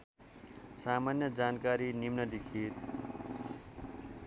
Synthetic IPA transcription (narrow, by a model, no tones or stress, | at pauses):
samanjʌd͡zankaɾinimnʌd̪ikʰit̪̚